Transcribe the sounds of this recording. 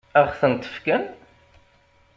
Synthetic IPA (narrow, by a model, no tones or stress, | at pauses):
æʁθənt̪ːə̥fkæn